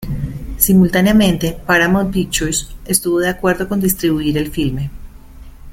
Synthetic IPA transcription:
simult̪anjamẽ̞nt̪e̞paɾamonpit͡ʃuse̞st̪uβo̞ðeakwe̞ɾðo̞ko̞nd̪ist̪ɾiβuiɾe̞lfilme̞

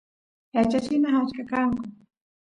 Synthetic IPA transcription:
jat͡ʃat͡ʃɪnaɦat͡ʃkakaŋkʊ

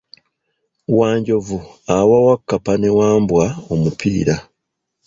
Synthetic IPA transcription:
waːɲɟo̞vuawawakːapane̞waːmbwaomupʰḭːɾa

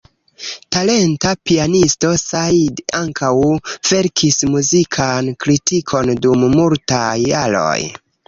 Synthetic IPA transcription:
tale̞ntapianisto̞sadaŋkʰawv̥e̞ɾkʰismuzikʰankɾitikʰo̞ndumːultajːalo̞̰j

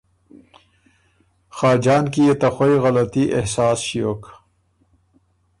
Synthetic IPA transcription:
xaːd͡ʒɑːnkijet̪axojɣɐlat̪iʔehsɑːsʃijok

